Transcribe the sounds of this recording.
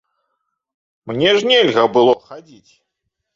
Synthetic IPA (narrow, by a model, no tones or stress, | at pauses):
mnʲɛʐnʲɛlʲɣɐbɨlˠɔxad͡zʲit͡sʲ